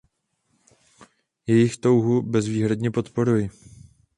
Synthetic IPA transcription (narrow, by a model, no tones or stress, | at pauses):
jɛjɪxt̪o̞wɦubɛzviːɦɾadɲɛpo̞t̪po̞ɾujɪ